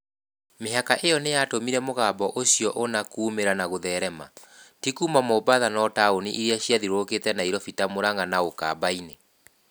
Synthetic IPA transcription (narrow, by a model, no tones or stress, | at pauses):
meɦakaʔejɔnejatomiɾɛmoɣaːbɔʔoɕiɔʔonakuːmeɾanaɣoðɛɾɛmatikumamobaðanɔtaoniʔiɾiaɕjaðiɾoketɛnaiɾɔfitamoɾaŋɡanaoka̰baine